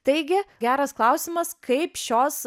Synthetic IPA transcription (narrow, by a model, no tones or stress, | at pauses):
t̪ɐɪɡʲɪɡʲæːɾɐsklˠɐʊsʲɪmɐskɐɪpʃʲoːs